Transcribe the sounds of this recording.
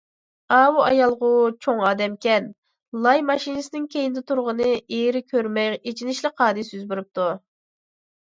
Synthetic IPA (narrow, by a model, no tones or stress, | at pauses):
ɑːwuɑjɑlˠʁʊwt͡ʃʰoŋɑːd̪ɛmkʲɛn | lˠɑjmɑʃinɨsɪnɪŋkʲejinɪd̪ɛt̪ʰuɾʁənɨeɾɪkʲʰøɾmɛjet͡ʃʰinɪʃlɪqʰɑːd̪ɨsyzbyɾyp̚t̪u